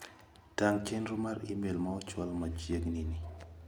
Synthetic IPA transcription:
d̥aŋkenɾʊmaɾḭmelmaɔt͡ʃwɔlmad͡ʒjeɡnini

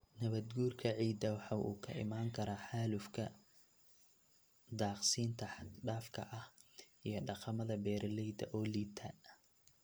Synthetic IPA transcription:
nɐβɐd̪ɡuːrkʰɐʕiːd̪ɐwɑħɑːʔṵːkʰɐʔɪ̰maːŋkʰɐɾaːħaːlʊfkʰɐ | d̪aːqsiːnt̪ʰɐħɖaːfkʰɐ̰ʔɐh | ijɞɖɑqɑmɐðɐbɛːɾlɛjd̪ɐ̰ʔɔːliːt̪ʰɐ

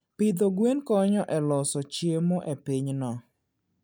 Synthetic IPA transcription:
pɪd̪oɡwenkɔɲɔʔɛlɔsɔt͡ʃjemɔʔepiɲnɔ

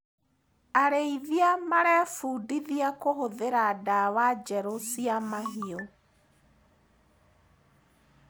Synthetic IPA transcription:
aɾeiðiamaɾɛfuːdiðiakohoðeɾadawad͡ʒɛɾosiamaɦio

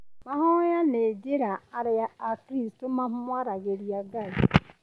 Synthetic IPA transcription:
maɦɔjaned͡ʒiɾaaɾɪjaakɾistʊmamʊmʷaɾaɣeɾjaɡai

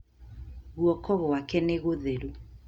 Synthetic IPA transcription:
ɣuɔkɔɣoakɛneɣoðeɾu

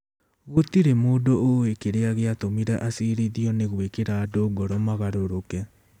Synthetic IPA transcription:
ɣotiɾemoːdooekeɾeaɣeatomiɾɛʔasiɾiðiɔneɣwekeɾaːdoːɡɔɾɔmaɣaɾoɾokɛ

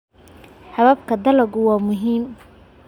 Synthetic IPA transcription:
ħɑβɐb̚kʰɐd̪ɐlɐɡʊwɑːmʊɦiːm

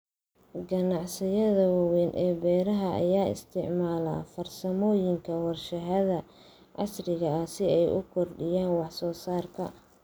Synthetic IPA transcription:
ɡɐnɑʕsɪjɐðɐwɐwɛnʔɛːbɛːɾɐɦɐɐ̰jaːɪ̰st̪ʰɪʕmaːla̰ːfɐrsɐmɔːjɪŋkʰɐwɑrʃɐɦɐðɐ | ʕɑsrɪɣɐɐsɪɛjʔʊ̰kʰɔrɖɪjaːnwɑħsɔːsaːrkʰɐ

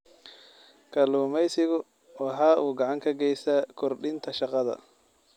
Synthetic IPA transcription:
kʰɐluːmɛjsɪɣʊ | wɑħɑːʔuːɡɑʕɑŋkʰɐɡɛjsaːkʰɔrɖɪnt̪ʰɐʃɑqɑðɐ̰

